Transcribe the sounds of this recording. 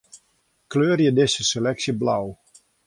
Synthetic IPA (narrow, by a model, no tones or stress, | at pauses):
kløːrjədɪsəselɛksjəblaw